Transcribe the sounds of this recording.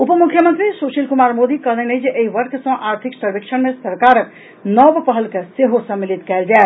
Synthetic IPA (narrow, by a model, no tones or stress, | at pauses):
upəmukʰjəmənt̪ɾisosilkumaɾmod̪ikəɦd̪ɛnəjd͡ʒeʔeiʋəɾkʰsə̃ʔaɾt̪ʰiksəɾbekʃʰənmesəɾkaɾ | nəbpəɦəlkeseɦosə̃mːilit̪kɛld͡ʒae